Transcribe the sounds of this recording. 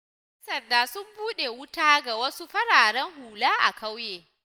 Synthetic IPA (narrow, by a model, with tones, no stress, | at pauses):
sɐ˨rdaː˨sʊ˦mbuː˦ɗe˨wʊ˦taː˦ɡa˨wɐ˦su˦ɸɐ˦ɽaː˨ɽɛ˦ŋhuː˨laː˦ʔa̰˨ka˦wjeː˨